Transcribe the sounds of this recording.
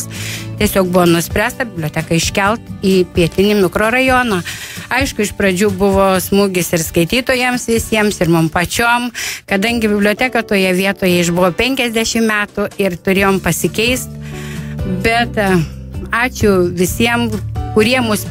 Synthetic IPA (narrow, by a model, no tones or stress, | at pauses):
st̪ʲiɛsʲoːk̚bʊʋoːnʊsʲpʲɾʲæːst̪ɐbʲɪblʲoːt̪ʲæːkɐɪʃʲkʲɛlˠt̪iːpʲiɛt̪ʲɪnʲɪmʲɪkɾoːɾɐjoːnɐɐɪʃkʊɪʃpɾɐd͡ʒʲuːbʊʋoːsmuːɡʲɪsɪrskɐɪt̪ʲiːt̪oːjɛmsʋʲɪsʲiɛmsɪrmʊmpɐt͡ʃʲoːmkɐd̪ɐŋʲɡʲɪbʲɪbʲlʲoːt̪ʲækɐt̪oːjɛʋʲiɛt̪oːjɛɪʃbʊʋoːpʲɛŋʲkʲɛzʲd̪ʲɛʃʲɪmmʲæːt̪ʊɪrt̪ʊɾʲeːjoːmpɐsʲɪkʲɛɪst̪ | bʲɛt̪ | ɑːt͡ʃʲʊʋʲɪsʲiɛmkʊɾʲiɛmʊs